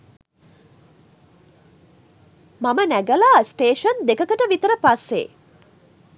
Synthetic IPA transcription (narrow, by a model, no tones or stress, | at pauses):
mamənæɡəlaːsʈeːʂənd̪ekəkəʈəʋit̪əɾəpasːḛː